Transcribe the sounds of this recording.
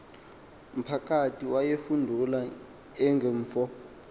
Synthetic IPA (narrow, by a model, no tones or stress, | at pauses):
m̩pʰak̬ʼatʰiwajefundʱula | ɛŋɡʱɛːɱːfɔ